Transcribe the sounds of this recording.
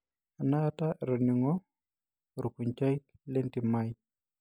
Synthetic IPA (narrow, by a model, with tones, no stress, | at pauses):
a˨na˦a˦ta˦ʔɛ˨ɾɔ˨ni˨ŋɔ˦ | ɾu˨ku˨ɲt͡ʃa˦i˦k | le˦nti˨ma˦j